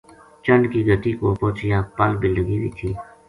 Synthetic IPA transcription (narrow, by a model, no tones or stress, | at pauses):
t͡ʃənɖkiːɡəʈ̪iːkoːpoːt͡ʃɪjaːpəlbiləɡiːʋḭːt̪ʰiː